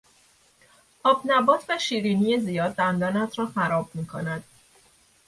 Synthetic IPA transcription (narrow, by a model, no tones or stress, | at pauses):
ʔɒːbnæbɒːt̪ʰvæʃiːɾinijezijɒːd̪̚ːænd̪ɒːnæt̪ʰɾɒːxæɾɒːb̚miːkʰonæd̪̥